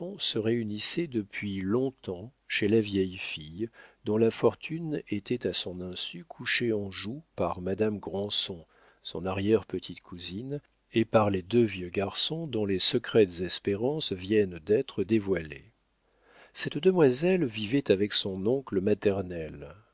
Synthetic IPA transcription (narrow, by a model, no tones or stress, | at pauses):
ɔ̃səʁeynisɛd̪əpɥilɔ̃t̪ɑ̃ʃelavjɛjfijd̪ɔ̃lafɔʁt̪ʰynet̪ɛt̪asɔ̃nɛ̃sykʰuʃeɑ̃ʒupaʁmad̪amɡʁɑ̃sɔ̃ | sɔ̰̃naʁjɛʁpət̪ʰit̪kʰuzin | epaʁled̪øvjøɡaʁsɔ̃d̪ɔ̃lesəkχɛt̪zɛspeʁɑ̃svjɛnd̪ɛt̪χəd̪evwalḛ | sɛt̪d̪əmwazɛlvivɛt̪avɛksɔ̃nɔ̃kləmat̪ɛʁnɛl